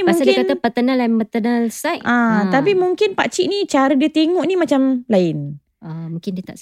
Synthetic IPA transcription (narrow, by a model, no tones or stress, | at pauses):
mausŋkadiəɪkanapət̪ənəlaimpət̪ənəlsajʔãt̪apimuŋkɪnpat͡ʃiʔnit͡ʃaɾədiət̪eŋɔʔnimat͡ʃamlaɪn | amũŋkɪndiət̪a̰ʔs